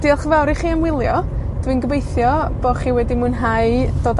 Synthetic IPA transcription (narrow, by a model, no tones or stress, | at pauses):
d̥iɛlˠχəvɛwɾiχiːamwɪlˠjɔd̥winɡəbejθjɔb̥ɔχiwɛdimunɦaɨd̥oːd